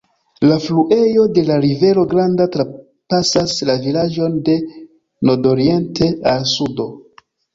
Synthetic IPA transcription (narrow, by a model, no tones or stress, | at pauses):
lafluʔe̞jo̞de̞laɾive̞ɾo̞ɡɾandatɾa | pasaslavilad͡ʒo̞nde̞ | noɾdo̞ɾie̞ntʰe̞alsudo̞